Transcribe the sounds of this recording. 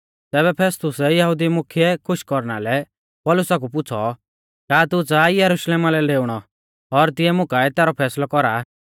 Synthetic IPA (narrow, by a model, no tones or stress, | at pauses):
t̪ɛːbɛpʰɛːst̪ʊsɛjɐɦʊd̪imʊkʰijɛkʰʊʃkɔɾñalɛ | pɔlʊsak̬upʊt͡sʰɔ̰ | kaːt̪ut͡saːijɐɾʊʃleːmalɛleːʊɽ̃ɔ | ɔɾt̪ɪɛmʊkaɛt̪ɛːɾɔpʰɛːslɔkɔɾa